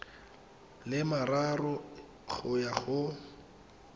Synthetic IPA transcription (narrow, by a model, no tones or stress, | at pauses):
lɪmararɔ | ɣʊjaɣʊ